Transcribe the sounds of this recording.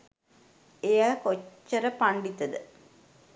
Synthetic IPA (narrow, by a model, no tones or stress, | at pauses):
ejakot͡ʃːɐɾɐpaɳɖit̪ːɐd̪ɨ